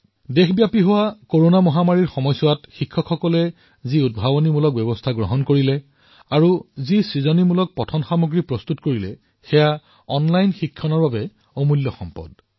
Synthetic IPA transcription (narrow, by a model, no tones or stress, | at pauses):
dexʰbjapiɦʊwakoɹonamɔɦamaɹiɹxɔmɔjsʊwatxikʰːɔkʰxɔkɔlɛ | ziud̚bʱabɔnimulɔk̚bɛbɔstʰaɡɹɔɦɔnkoɹilɛ | aɹuzisɹizɔnimulɔk̚pɔtʰɔnxamuɡɹipɹɔstutkoɹilɛ̰ | xɛja | ɔnlajnxikʰːɔnɔɹbabɛ | omuljɔxɔ̰mpɔ̰d̥